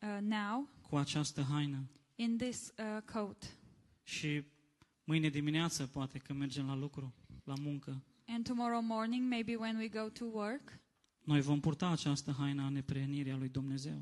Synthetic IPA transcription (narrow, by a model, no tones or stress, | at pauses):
nawkʰuat͡ʃast̪əɦajnə | ɪ̃nðɪskʰoʊt | ʃi | mɨjned̪imineat̪səpoat̪e̞kəme̞rd͡ʒe̞mlalukɾulamuŋkə | ɛ̃ntumɔɹoʊmɔɹnɪ̃ŋmeɪbiwɛ̃nwiɡoʊtʰuwə˞k | no̞jvo̞mpurt̪aːt͡ʃast̪əɦajnəane̞pɾeɦəniɾialujd̪umne̞ze̞w